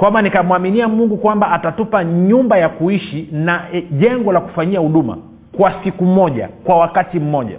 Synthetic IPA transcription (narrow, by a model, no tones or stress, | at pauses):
kwamanikamuwaminiamuŋɡukwambaatatupaɲumbajakuiʃinaʄɛŋɡɔlaku̥faɲiahuɗuma̰ | kwasikum̩mɔʄa̰kwawakatim̩mɔʄa̰